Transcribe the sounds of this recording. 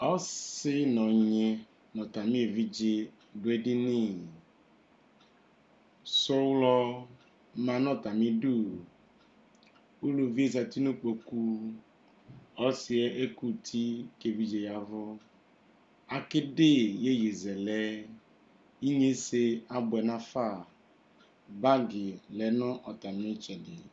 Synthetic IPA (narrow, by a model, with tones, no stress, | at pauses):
ɔ˦sɪ˦nɔ˨ɲe˨ | nɔ̃˨ta˨mĩ˦e˨vi˦d͡ʒe˦ | dʊ˨˦e˦dɪ˦nĩ˦˨ | so˦wlɔ˧ | mã˨nɔ̃˦˨ta˨mĩ˦du˦˨ | o˦lo˨vi˦e˦˨za˨ti˦nu˦k͡po˨ku˦ | ɔ˦sɪ˨ɛ˦ʔe˦ku˦tʰi˦ke˨vi˨d͡ʒe˨ja˨vʊ˦ | a˨kɪ˦de˦je˦je˨zɛ˨lɛ˦ | i˦ɲe˦se˦a˨bɛ˨nã˦fa˦˨ | ba˦ɡɪ˨lɛ˨˦nʊ̃˦ʔɔ˨ta˨mɪ̃˦t͡ʃɛ˨dɪ˨